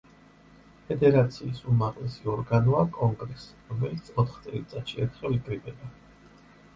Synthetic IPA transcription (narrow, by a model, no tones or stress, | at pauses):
pʰɛd̪ɛɾat̪sʰiːsumaʁʼlɛsiɔɾɡanɔakʼɔŋɡɾɛsɾɔmɛlit̪sʰɔt̪ʰχt̪sʼɛlit̪sʼat̪ʃiɛɾt̪ʰχɛvikʼɾibɛba